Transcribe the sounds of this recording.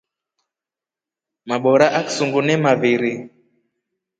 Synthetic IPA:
maɓɔɾaʔaksuŋɡunɛmaviɾi

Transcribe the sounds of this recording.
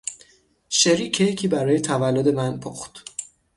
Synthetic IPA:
ʃeɾiːcʰːejcʰiːbæɾɒːjet̪ʰævælːod̪e̞mænpʰo̰χt̪

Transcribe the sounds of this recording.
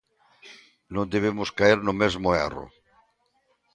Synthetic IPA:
nõnd̪eβ̞emoskaeɾnomezmoḛro̰

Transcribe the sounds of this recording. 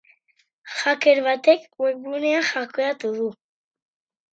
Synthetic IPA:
χakʰɛɾvat̪ʰɛkwɛblunɛaχakʰɔjat̪uðu

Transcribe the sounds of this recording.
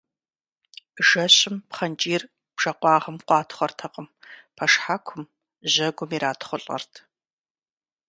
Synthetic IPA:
ʒɐɕɪmpχɐnt͡ʃʼiːr | b̥ʒ̥ɐqʷɑːʁɐmqʷɑːtʰχʷɔrtʰɐqʼəmpʰɐʂħakʷʰʊm | ʒʑɐɡʷʊmiːɾaːtʰχʷʊɬʼɐ̰rtʰ

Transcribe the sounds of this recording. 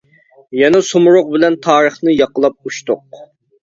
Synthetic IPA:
jɛnɛsomɾoq̚bɪlɛnt̪ʰɑːɾəχnɨjɑqəlˠɑp̚uʃt̪ʊq

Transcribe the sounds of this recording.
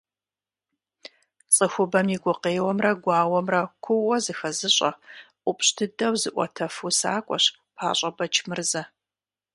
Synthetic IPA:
t͡sʼɨxʷʊbɐmjiɡʷʊqeːwɐmrɐɡʷɑːwɐmrɐkʷʰʊʔɔzɨxɐzɨɕʼɐʔʷʊpʼɕtʰɨdɐwzɨʔʷɔ̰tʰɐfusa̰ːkʷʼɔ̰ɕ | pʰa̰ːɕʼɐbɐt͡ʃʰmɨrzɐ

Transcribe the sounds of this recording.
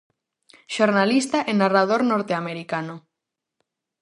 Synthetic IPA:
ʃoɾnalist̪aʔenarað̞oɾnoɾt̪eameɾikano

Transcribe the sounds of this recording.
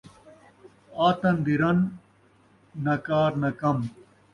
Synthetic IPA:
aːt̪ɐnd̪iɾɐn | ɐkaːɾnɐkɐm

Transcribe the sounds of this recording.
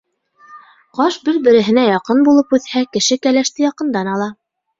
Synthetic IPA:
qɑʃbɘɾbɘ̆ɾɘ̆ɦɘ̆næjɑqɤnbulˠɤpʉθhækɘ̆ʃɘkælæʃt̪ɘjɑqɤ̆nd̪ɑnɑlˠɑ

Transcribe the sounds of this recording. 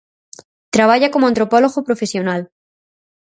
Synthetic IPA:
t̪ɾaβ̞aʝako̞moãnt̪ɾo̞po̞loɣopɾo̞fesjo̞nal

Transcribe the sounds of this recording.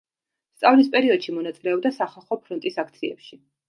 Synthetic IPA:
st̪sʼavlispʼɛɾiɔd̪̥ʃimɔnat̪sʼilɛɔb̚d̪asaχalˠχɔpʰɾɔnt̪ʼisakʰt̪sʰiɛ̰pʃi

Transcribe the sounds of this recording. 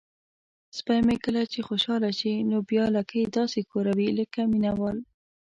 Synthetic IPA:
spajmekəlat͡ʃexoʃɑlaʃinobjɑlakəd̪ɑsekoɾawiləkaminawɑl

